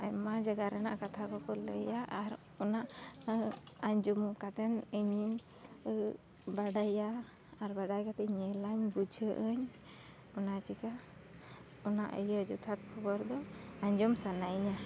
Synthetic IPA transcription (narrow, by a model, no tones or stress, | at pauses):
ajmad͡ʒaɡaɾɛna̰ʔkat̪ʰakɔkɔləjaʔaɾ | ɔnaʔ | aɲd͡ʒumkat̪ɛnəɲi | baɖajaː | ɾbaɖajkat̪ɛɲɛlaɲbud͡ʒʱəʔəɲ | ɔnat͡ʃika | ɔna̰ʔə̰jəd͡ʒut̪ʰak̚kʰɔbɔɾd̪ɔaɲd͡ʒumsanaʔiɲa